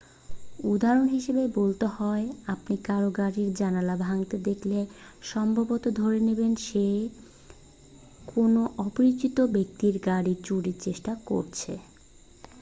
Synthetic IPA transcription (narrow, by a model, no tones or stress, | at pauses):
ud̪aɾonɦiʃebebolt̪ehɔeapnikaɾoɡaɽiɾd͡ʑanalabʱaŋt̪ed̪ekʰle | ʃɔmbʱabot̪od̪ʱoɾenebenʃe | kʰonoʔɔpoɾit͡ɕit̪obek̚t̪iɾɡaɽiɾt͡ɕuɽiɾt͡ɕeʃʈako̰ɾt͡ɕʰḛ